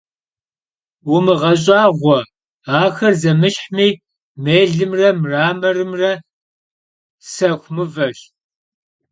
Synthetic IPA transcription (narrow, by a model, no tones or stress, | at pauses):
wʊmɨʁɐɕ̬ʼaːʁʷɔ | aːxɐrzɐmɨɕħmiː | meːɮɨmrɐmraːmɐrɨmrɐ | sɐxʷmɨvɐɕ